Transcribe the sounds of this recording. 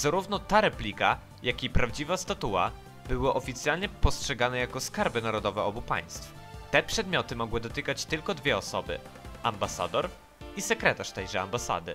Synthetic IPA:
zaɾuvnɔt̪aɾɛplʲika | jʔakʲipɾavd͡ʑivast̪at̪uwa̰ | bɘwɘʔɔfʲit̪sjalɲɛpɔstʂɛɡanɛjakɔskaɾbɘnaɾɔd̪ɔvɛɔbupa̰j̃st̪f | t̪ɛpʂɛd̪mʲjɔt̪ɘmɔɡwɘd̪ɔt̪ɘkat͡ɕt̪ɘlkɔd̪vʲjɛɔsɔbɘ̰ | ambasa̰d̪ɔɾ | isɛkɾɛt̪aʂt̪ɛjʐɛa̰mbasa̰d̪ɘ̰

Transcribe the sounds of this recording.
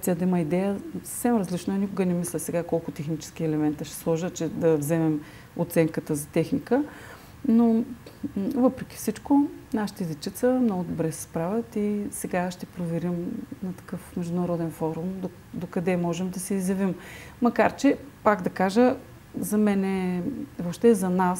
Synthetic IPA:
t̪ʲiəd̪ɐiməid̪ɛjəsɐ̥fsɛmɾɐzlit͡ʃnoɛnikʊɡənɛmislʲəsɛɡakɔlˠkʊt̪ɛxnit͡ʃɛ̥sk̟iɛlɛmɛnt̪əʃɛ̥slˠɔʒət͡ʃɛd̪ɐvzɛmɛm | ot̪sɛŋkət̪əzɐt̪ɛxnikə | no | vɤpɾɛk̟ʲi̥fsit͡ʃkonaʃi̥t̪əizit͡ʃit̪səmnɔɡʊd̪obɾɛsɛ̥spɾavʲɐt̪isɛɡaʃt̪ɛpɾovɛɾimnɐt̪ɐ̥kɤfmɛʒd̪ʊnɐɾɔd̪ɛnfɔɾumd̪o | d̪okɐd̪ɛmɔʒɛmd̪ɐsɛizjɐvimmɐkaɾt͡ʃɛpaɡd̪ɐkaʒə | zɐmɛnɛvopʃt̪ɛzɐnas

